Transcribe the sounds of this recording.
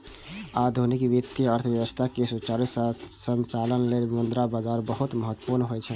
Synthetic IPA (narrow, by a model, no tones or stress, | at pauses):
ad̪ʱunikbit̪iəɾt̪ʰəbjəʋəst̪ʰakesut͡ʃalissənt͡ʃalənlelmənd̪ɾabad͡ʒaɾbəɦut̪məɦət̪ːə̥puɾnɦojt͡ʃʰɛ